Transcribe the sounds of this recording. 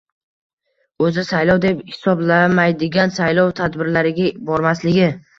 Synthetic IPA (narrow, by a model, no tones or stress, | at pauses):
ɵzɪsajlɒwd̪e̞phɪ̥sɒblamajd̪ɪɡʲansajlɒwt̪ʰad̪bɪɾlaɾɪɡʲabɒɾmaslɪɡʲɪ